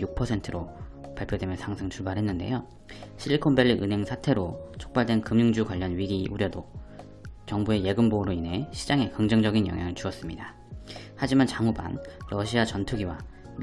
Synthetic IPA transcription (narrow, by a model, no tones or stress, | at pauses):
juk̚pʰʌsʰe̞ntʰɯɾopaɭpʰjodwe̞mjʌnsʰaŋsʰɯŋt͡ɕuɭbaɾɦe̞nːɯnde̞̰jo | ɕʰiʎːikʰonbeʎːiʔɯnɦe̞ŋsʰatʰe̞ɾot͡ɕʰo̥k̚p͈aɭdwe̞nkɯmɲuŋd͡ʑukwaʎːʌnɥiɡiʔuɾjʌdo | t͡ɕʌŋbue̞je̞ɡɯmboɯɾoine̞ɕʰid͡ʑaŋe̞kɯŋd͡ʑʌŋd͡ʑʌɡinjʌŋjaŋɯɭt͡ɕuʌs͈ɯmɲida | had͡ʑimant͡ɕaŋuba̰nɾʌɕʰiat͡ɕʌntʰuɡiwa̰ | m